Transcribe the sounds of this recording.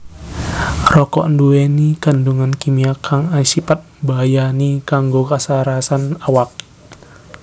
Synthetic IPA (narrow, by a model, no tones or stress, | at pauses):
rɔkɔ̰ʔnduenikənduŋankimiakʰaŋasipat̪̚bajanikaŋɡokasaɾasanawak̚